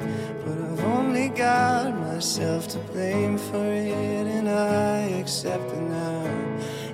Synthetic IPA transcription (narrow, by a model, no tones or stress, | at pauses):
b̥ʌɾaɪvõʊ̃nliɡɑt̚maɪsɛlˠftʰəpʰl̥ẽɪ̃ɱfə˞ɪɾɨ̃naɪɨksɛp̚t̪̚ɨna